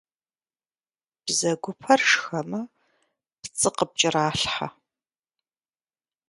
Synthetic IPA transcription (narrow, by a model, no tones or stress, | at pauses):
b̥zɐɡʷʊpʰɐrʂxɐmɐ | pt͡sʼɨqəp̚t͡ʃʼɪraːɬħa̰